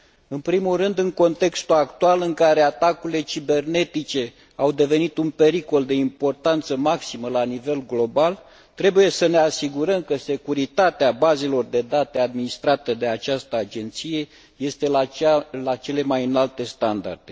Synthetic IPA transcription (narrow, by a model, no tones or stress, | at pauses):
ɨnpɾimulrɨnd̪ɨŋko̞nt̪e̞kst̪ulakt̪ualɨŋkaɾe̞at̪akuile̞t͡ʃibe̞rne̞t̪it͡ʃe̞ | awd̪e̞ve̞nit̪unpe̞ɾiko̞ld̪e̞impo̞rt̪ant̪səmaksiməlanive̞lɡlo̞bal | t̪ɾe̞buje̞səne̞asiɡuɾəmkəse̞kuɾit̪at̪eabaze̞lo̞rd̪e̞d̪at̪e̞ad̪minist̪ɾat̪əd̪e̞at͡ʃast̪əad͡ʒe̞nt̪sije̞ | je̞st̪e̞laalat͡ʃe̞le̞majɨnalt̪e̞st̪and̪a̰rd̪̥e